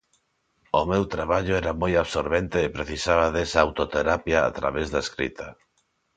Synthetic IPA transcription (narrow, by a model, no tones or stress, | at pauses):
ʊmewt̪ɾaβaʎʊɛɾamojaβsoɾβent̪ɪːpɾeθisaβaðesɐawt̪ot̪eɾapjaa̰t̪ɾa̰βezðaeskɾḭt̪ʰɐ